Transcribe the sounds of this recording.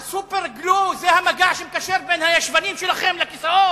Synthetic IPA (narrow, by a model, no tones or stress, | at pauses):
supeʁɡluzehamaɡaʕʃemkaʃeʁbenhajaʃvanimʃelaχemlakisaot